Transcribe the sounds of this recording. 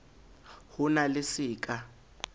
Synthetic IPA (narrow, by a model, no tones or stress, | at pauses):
hʊnalɪsiːkʼa